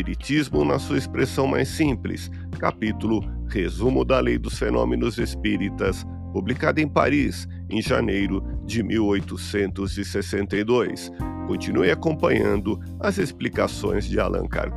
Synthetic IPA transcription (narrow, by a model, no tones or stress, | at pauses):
iɾit͡ʃizmʊnɐsuɐespɾesɐ̃w̃ma̰jsĩplɪ̰s | kapit̪ulʊhezumʊd̪ɐlejd̪ʊsfenõ̰menʊzespiɾit̪ɐs | publikad̪ʊẽj̃pa̰ɾis | ẽj̃ʒanejɾʊd͡ʒɪmiwojt̪ʊsẽnt̪ʊzɪsesẽnt̪ejd̪ojs | kõnt͡ʃinuejakõpɐ̃ɲɐ̃nd̪ʊ | ɐzesplikasõ̰j̃zd͡ʒɪalɐ̰̃ŋka̰ɾ